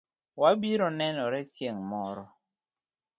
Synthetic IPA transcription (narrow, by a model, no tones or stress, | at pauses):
wabiɾɔnɛnɔɾɛθjeŋmɔɾɔ